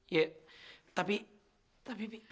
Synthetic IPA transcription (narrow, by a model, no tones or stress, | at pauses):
jɛt̪api | t̪api